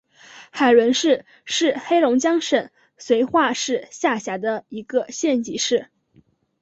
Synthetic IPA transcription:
xa˨˩ɪlwə˧˥nʂɻ̩˥˧ | ʂɻ̩˥˩xe˥ɪlʊ˧˥ŋt͡ɕjɑ˥ŋʂə˨˩n | swe˧˥ɪxwa˥˧ʂɻ̩˥˧ɕja˥˩ɕja˧˥d̪ə˧i˧˥ɡə˧ɕjɛ˥˩nt͡ɕi˧˥ʂɻ̩˥˩

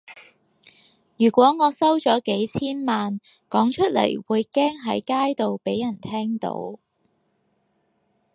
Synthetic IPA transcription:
jyː˨˩kʷwɔː˨˥ŋɔː˨˧sɐ˥wt͡sɔː˨˥ke˨˥jt͡sʰiː˥nmaː˨n | kɔː˨˥ŋt͡ʃʰɵ˥t̚lɐ̰˨˩jwuː˨˧jkɛː˥ŋɦɐ˨˥jkaː˥jt̪o˨wpe˨˥jɐ˨˩nt̪ʰɛː˥ŋt̪o̰˧˥w

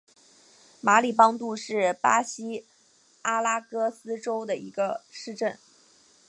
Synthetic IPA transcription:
ma˧˥li˨˩pɑ˥ŋt̪u˥˧ʂɻ̩˥˩pa˥ɕi˥ | a˥la˥kɤ˥sɹ̩˥ʈ͡ʂo˥ʊd̪ə˨i˧˥ɡə˧ʂɻ̩˥˧ʈ͡ʂə˥˩n

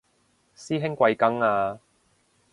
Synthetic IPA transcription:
siː˥ɦɪ˥ŋkʷɐ˧jkɐ˥ŋaː˧

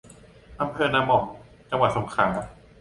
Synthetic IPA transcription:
ʔa˧mpʰɤː˧naː˧mɔ˨˩ŋ | t͡ɕa˧ŋwa˨˩t̪̚so˩˦ŋkʰaː˩˦

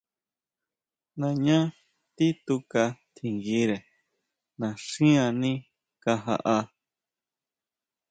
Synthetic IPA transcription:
nã˨ɲã˦ | t̪i˦t̪u˧ka˧t̪ʰi˧˨ŋɡi˧˦ɾe˨ | nã˨ʂĩ˦ã˧nĩ˦ | ka˧ɦa̰˧ʔa˧

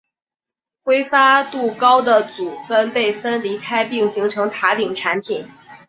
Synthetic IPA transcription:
kwe˥ɪfa˥t̪u˥˩kɑ˥ʊd̪ə˨t͡su˨˩fə˥npe˥˩ɪfə˥nli˧˥kʰa˥ɪpi˥˩ŋɕi˧˥ŋʈ͡ʂʰɤ˧˥ŋt̪ʰa˧˥t̪i˨˩ŋʈ͡ʂʰa˧˥npʰi˨˩˦n

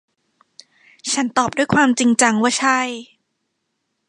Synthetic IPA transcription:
t͡ɕʰa˦˥nt̪ɔː˨˩p̚du˥˩jkʰwaː˧mt͡ɕi˧ŋt͡ɕa˧ŋwaː˥˩t͡ɕʰa˥˩j

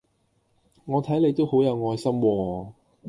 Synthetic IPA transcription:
ŋɔː˨˧t̪ʰɐ˨˥jle˨˧jt̪o˥who˨˥wjɐ˨˧wŋɔː˧jsɐ˥mwɔː˧

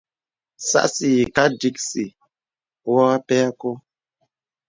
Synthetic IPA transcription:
sa̰˦ʔsi˨ji˨ka˦di˦k̚si˨ | wɔ˦a˦pɛ˦a˦ko˦

